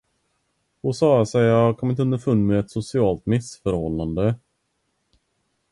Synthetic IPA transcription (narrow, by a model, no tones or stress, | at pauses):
hʊsɑːsɛjɑkʰɔmɪnt̪əɵnəfɵnːmɛɛt̪sʊsɪɑːlt̪mɪsfœɾhɔlːand̪ə